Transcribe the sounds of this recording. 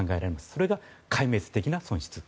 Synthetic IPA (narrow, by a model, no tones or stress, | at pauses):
ŋɡae̞ɾaɾe̞masɨ̥so̞ɾe̞ɡakaime̞t͡sɨ̥t̪e̞kʲinasõ̞ɕi̥t͡sɨ̥